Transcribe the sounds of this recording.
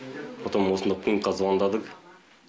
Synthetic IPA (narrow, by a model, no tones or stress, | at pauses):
pʰot̪ɑnwosnd̪ɑkʰiŋqʰɑzwɑnd̪ɑd̪əq